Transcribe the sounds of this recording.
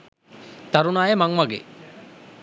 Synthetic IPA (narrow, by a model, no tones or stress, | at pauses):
t̪aɾunaːjemaŋmaɡḛ